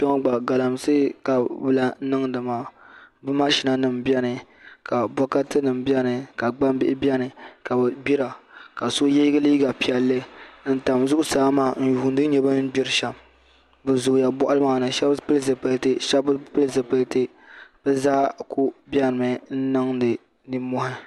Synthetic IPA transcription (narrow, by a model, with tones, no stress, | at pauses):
pɔ˦ŋ˦ɡ͡ba˨ɡa˨la˨msɨ˦ka˨bɨ˦la˦n̩˦nɨ˦ŋdɨ˨maː˨bɨ˦ma˦ʃi˨˦na˦nɨ˨mbjɛ˦nɨ˨ | ka˨bɔ˦ka˦tɨ˦nɨ˨mbjɛ˦nɨ˨ka˨ɡ͡ba˦m˦bɪ˦ʔɪ˦bjɛ˦nɨ˨ka˨bɨ˨bi˦ɾa˨ka˨so˦je˦ɡɨ˦liː˦ɡa˨pi˨ɛ˨lːɨ˦n̩˦ta˨mzʊ˦ʔʊ˦saː˦maː˨n̩˦ju˨hʊ˨n˦dɨ˦ɲɛ˨bɨ˦nɨ˦bi˦ɾɨ˦ʃa˨m | bɨ˨zʊ˨ja˨bɔ˦ʔʊ˦lɨ˦maː˨nɨ˨ʃa˦bpɨ˦lzɨ˨pɨ˦ltɨ˦ʃa˦bpɨ˦lzɨ˨pɨ˦ltɨ˦ | b̥ɨ˦zaː˦ku˦bjɛ˦nɨ˨mɨ˨n̩˦nɨ˦ŋdɨ˨ | nɨ˦mɔ˦hɪ˦